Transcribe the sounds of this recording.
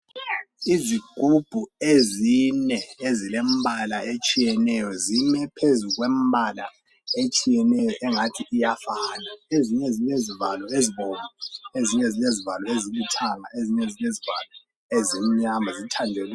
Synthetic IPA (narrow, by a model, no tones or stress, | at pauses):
iziɡ̥ʱub̥ʱuezinɛezilembʱalaet͡ʃʼijɛnɛjɔzimɛpʰezuɣwembʱala̰ | et͡ʃʼijɛnɛjɔʔɛŋatʰiʔːjafanaeziɲezilezivalɔeziβɔβaeziɲɛzilezivalɔezilutʰaŋa̰eziɲezileziva̰lɔ | ezim̩ɲamazitʰandʱɛl